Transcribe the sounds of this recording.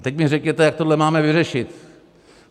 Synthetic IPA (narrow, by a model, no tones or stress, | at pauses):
t̪ɛk̚mɪrɛkjɛt̪ɛjak̚t̪odlɛmaːmɛʋɪrɛʃɪt̪